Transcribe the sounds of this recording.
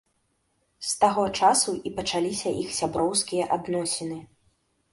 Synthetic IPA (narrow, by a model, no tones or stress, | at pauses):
st̪aɣɔt͡ʂasuʔipɐt͡ʂalʲisʲɐʔixsʲabɾɔwskʲijɐʔad̪nɔsʲinɨ